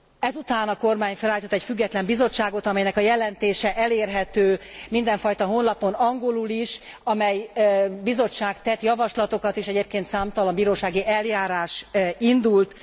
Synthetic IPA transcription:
ɛzut̪aːnɒko̞rmaːɲfɛlaːjit̪ot̪ːɛcfyɡːɛt̪lɛmbizo̞t͡ʃːaːɡo̞t̪ɒmɛjnɛkɒjɛlɛnt̪eːʃɛʔɛleːrɦɛt̪øːmind̪ɛɱfɒjt̪ɒɦo̞nlɒpo̞nɒŋɡo̞luliʃ | ɒmɛjbizo̞t͡ʃːaːɡt̪ɛt̪jɒvɒʃlɒt̪o̞kɒt̪eːʃɛɟeːp̚keːnt̪saːmt̪ɒlɒmbiːɾoːʃaːɡiʔɛljaːɾaːʃind̪ult̪

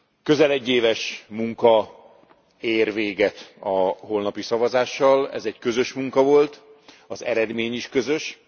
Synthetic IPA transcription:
kø̞zɛlɛɟːeːvɛʃmuŋkɒ | eːrveːɡɛt̪ɒho̞lnɒpisɒvɒzaːʃːɒlɛ̰zɛɟkø̞zø̞ʃmuŋkɒvo̞lt̪ | ɒzɛ̰ɾɛd̪meːɲiʃkø̞zø̞ʃ

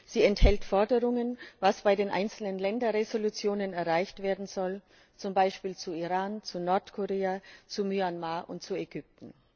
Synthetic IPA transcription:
z̥iːɛnthɛltfɔɐdəʁʊŋənvasb̥aɪdeːnʔa̰ɪnt͡sl̩nənlɛndɐʁezolut͡sjoːnənɛɐʁaɪçtv̥eːɐdn̩zɔl | t͡sʊmbaɪʃpiːlt͡suiʁaːnt͡sunɔɐtkʰoʁeːat͡sumyanmaːʔʊ̰nt̚t͡suɛɡʏp̚tn̩

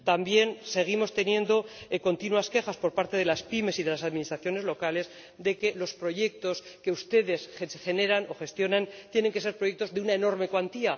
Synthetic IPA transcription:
t̪ambje̞nse̞ɣ̞imo̞st̪e̞njẽ̞nd̪o̞eko̞nt̪inuaske̞xaspo̞ɾpaɾt̪e̞ð̞e̞laspime̞siðe̞lasaðminist̪ɾaθjo̞ne̞zlo̞kale̞s | d̪eke̞lo̞spɾo̞ʝe̞k̚t̪o̞ske̞ust̪e̞ðe̞sesxe̞ne̞ɾano̞xe̞st̪jo̞nant̪je̞ne̞ŋke̞s̬eɾpɾoje̞k̚t̪o̞zðeunaeno̞ɾme̞kwant̪ia

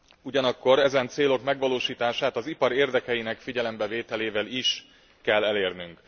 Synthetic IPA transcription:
uɟɒnɒkːo̞ɾɛzɛnt̪seːlo̞kmɛɡʋɒloːʃiːt̪aːʃaːt̪ɒzipɒɾeːrd̪ɛkɛjinɛkfiɟɛlɛmbɛveːt̪ɛleːvɛliʃ | kɛlːɛleːrnyŋk

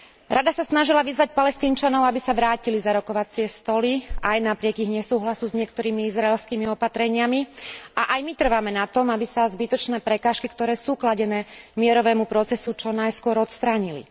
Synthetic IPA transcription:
ɾʔad̪asasnaʒilaʋizʋac̚palɛst̪iːnt͡ʃanɔʊabisaʋɾaːcilizaɾɔkɔʋat͡sɪɛst̪ɔliajnapɾɪɛɡiɣɲɛsuːɦlasuzɲɪɛkt̪ɔɾiːmiizɾaɛlskiːmiɔpat̪ɾɛɲɪamiʔaʔajmit̪r̩ʋamɛnat̪ɔmabisazbit̪ɔt͡ʃnɛːpɾɛkaːʃkikt̪ɔɾɛːsuːklaɟɛnɛːmɪɛɾɔʋɛːmupɾɔt͡sɛsut͡ʃɔnajskʊɔɾɔt̪st̪ɾaːɲilḭ

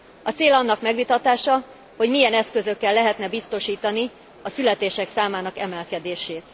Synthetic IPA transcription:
ɒt̪seːlɒnːɒkmɛɡʋit̪ɒt̪aːʃɒ | hoɟmijɛnɛskø̞zø̞kːɛlːɛɦɛt̪nɛbist̪o̞ʃiːt̪ɒni | ɒsylɛt̪eːʃɛksaːmaːnɒkɛmɛlkɛd̪eːʃeːt̪

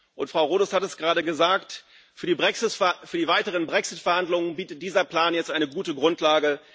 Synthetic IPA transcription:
ʔʊntfʁ̥aʊʁoːdɔshatɛsɡ̥əʁaːdɾəɡəzaːkt | fyːɐdiːbʁɛksɪfyːɐdiːvaɪtəʁ̞ənbʁɛksɪtfɛɐhandlʊŋənbiːtət̚d̥iːzɐpl̥aːnjɛt͡stʔaɪnəɡuːtəɡʁʊntlaːɡə

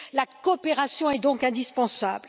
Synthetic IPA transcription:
lakɔpeʁasjɔ̃ɛd̪ɔ̃kɛ̃d̪ispɑ̃sa̰bl

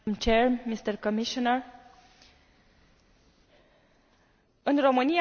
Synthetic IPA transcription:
mt͡ʃeɹmist̪əɾkomiʃɔnəɹ | ɨnromɨni

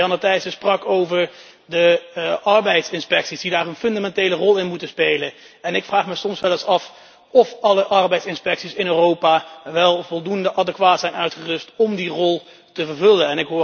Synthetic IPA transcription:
ɑnətɛjsəsprɑkowvəɹ | dəʔɑɹbɛjtsɪnspɛksisdidaːrənfɵndamɛntejlərɔlˠɪnmutəspejlən | ɛnɪkfraːχməsɔmsʋɛləsɑf | ɔfɑləʔɑɹbɛjtsɪnspɛksisɪnøːrowpaʋɛlˠvɔlˠdundəʔɑdəkʋaːtsɛjnœɥtχərɵstɔmdirɔlˠ | təvəɹvɵlənɛnɪkɦʊː

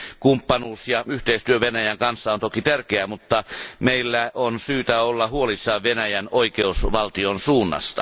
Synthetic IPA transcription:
kumpːɑnuːsjɑyht̪eist̪yøʋenæjæŋkɑnsːɑont̪okit̪ærkeæmut̪ːɑmeilːæonsyːt̪æolːɑhuolisːɑːʋʋenæjænoikeusʋɑlt̪ionsuːnːɑ̰st̪ɑ̰

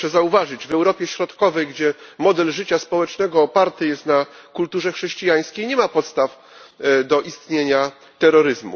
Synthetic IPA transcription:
ɛzauvaʐɘd͡ʑvɛwɾɔpʲjɛɕɾɔt̪kɔvɛjɡd͡ʑɛmɔd̪ɛlʐɘt͡ɕaspɔwɛt͡ʂnɛɡɔːpaɾt̪ɘjɛst̪nakult̪uʐɛxʂɛɕt͡ɕijaj̃skʲejɲɛmapɔt̪st̪af | d̪ɔʔist̪ɲeɲa | t̪ɛɾːɔɾɘzmṵ

